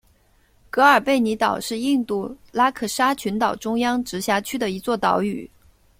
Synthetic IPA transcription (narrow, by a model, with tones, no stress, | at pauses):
kɤ˧˥ə˞˨˩pe˥˩ɪni˧˥t̪ɑ˨˩ʊʂɻ̩˥˧i˥˧ŋt̪u˥˩la˥kʰɤ˥˩ʂa˥t͡ɕʰy˧˥nt̪ɑ˨˩ʊʈ͡ʂʊ˥ŋjɑ˥ŋʈ͡ʂɻ̩˧˥ɕja˧˥t͡ɕʰy˥d̪ə˨i˧˥t͡swɔ˥˩t̪ɑ˧˥ʊy̰˨˩˦